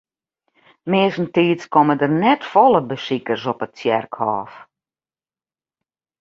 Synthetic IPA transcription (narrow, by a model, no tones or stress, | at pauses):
mɪːəsn̩tiːtskɔmədərnɛtfɔlˠəbəsikərsɔpətsjɛrkhɔːf